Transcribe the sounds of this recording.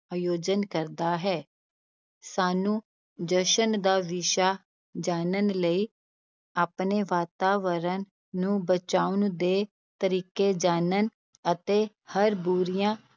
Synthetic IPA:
aːjoːd͡ʒənkəɾd̪aːɦɛː | saːnũː | d͡ʒəʃənd̪aːʋɪʃaː | d͡ʒaːnənləiː | aːpneːʋaːt̪aːʋəɾənː | ũːbət͡ʃaːʊnd̪eː | t̪əɾiːkeːd͡ʒaːnən | ət̪eː | həɾbuɾijãː

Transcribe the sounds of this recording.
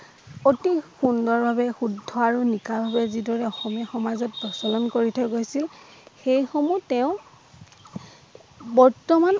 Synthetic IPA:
otixundɔɹbʱabɛxudʱːɔaɹunikabʱabɛzidɔɹɛɔxɔmijɔxɔmazɔt̚pɹɔsɔlɔnkoɹitʰɔɡojsilxejxomutɛʊ̃ | bɔɹtɔman

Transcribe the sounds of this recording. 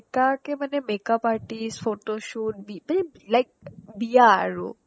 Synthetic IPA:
kakemənemekapaːɾʈisfoːʈoʃuːʈ̚biməne | laɪk̚bijaɾo̰ː

